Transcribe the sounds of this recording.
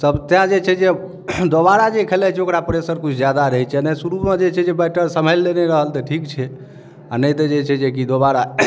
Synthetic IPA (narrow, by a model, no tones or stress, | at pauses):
səbt̪jãd͡ʒet͡ʃʰɛd͡ʒe | d̪obaɾad͡ʒekʰəlɛt͡ʃʰɛokɾapəɾesəɾkut͡ʃʰd͡ʒjad̪aɾəɦɛt͡ʃʰɛnəsuɾumẽd͡ʒet͡ʃʰɛd͡ʒebɛʈəɾsəməjlːeneɾəɦəlt̪əʈʰikt͡ʃʰɛ | anəjt̪əd͡ʒet͡ʃʰɛd͡ʒek̬id̪obaɾa